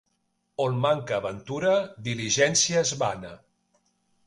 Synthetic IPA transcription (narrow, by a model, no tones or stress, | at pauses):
onmaŋkəːβənt̪uɾəd̪iliʒɛnsiəːzβanə